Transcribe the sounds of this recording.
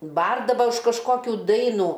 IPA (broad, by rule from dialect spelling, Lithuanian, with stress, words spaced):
ˈbɐrdɐʋɐ ʊʃ kɐʃˈkoːkʲuː ˈdɐɪnuː